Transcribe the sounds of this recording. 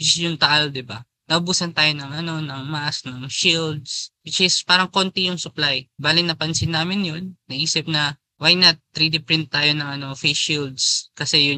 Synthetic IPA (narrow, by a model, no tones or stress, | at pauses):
wɪjʊŋt̪ɐʔald̪ɪba | nɐʔʊbuːsɐnt̪aːjo̞nɐŋʔɐno̞nɐŋmasnɐŋʃild̪̚swɪt͡ʃɪspaːɾɐŋko̞nt̪ɪjʊŋsʊplajbaːlɪnɐpɐnsɪnːaːmɪnjonːɐʔiːsɪp̚nɐ | wajnɐt̪ːɾid̪ɪpɾɪnt̪ːaːjo̞nɐŋɐno̞feʃild̪skɐsɛjʊ